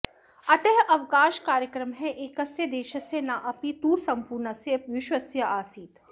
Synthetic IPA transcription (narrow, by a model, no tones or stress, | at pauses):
ɐt̪eɦɐʋkaːʃkaːɾjəkɾəmɦɛʔeːkɐsjəd̪eːʃɐsenaʔɐpit̪uːɾsɐ̃mpuːɾnəseʋɪʃwəsjɐʔaːsiːt̪